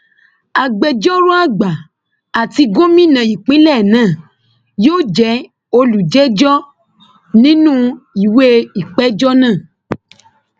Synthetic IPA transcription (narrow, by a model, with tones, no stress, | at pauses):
a˨ɡ͡bɛ˨d͡ʒɔ˦ɾu˦a˦ɡ͡ba˨ | a˨ti˧ɡo˦mĩ˦nã˨i˨k͡pĩ˦lɛ˦˨nãː˦˨ | jo˦d͡ʒɛ˧˦ | o˧lu˨d͡ʒɛ˦d͡ʒɔ˦ | nĩ˦nũ˦i˨we˦i˨k͡pɛ˦d͡ʒɔ˦nãː˦˨